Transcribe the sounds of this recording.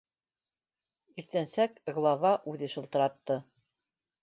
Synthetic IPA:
iɾt̪ænsækɡlˠɑvɑʔʉðɘʃɤ̆lˠt̪ɤ̆ɾɑt̪ːɤ

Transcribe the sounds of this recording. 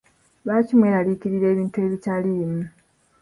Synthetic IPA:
βaːcimwe̞ːɾalikiɾiɾe̞ːβiːntue̞βitaliːmu

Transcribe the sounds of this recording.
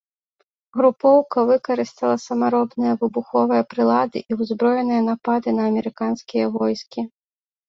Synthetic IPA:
ɣɾupɔwkɐvɨkɐɾɨst̪ɐlˠɐsɐmaɾɔbnɨjɐvɨbuxɔvɨjɐpɾɨlˠad̪ɨ̰ʔiwzbɾɔjɛnɨjɐnapad̪ɨnɐːmʲɛɾɨkanskʲijɐvɔjskʲi

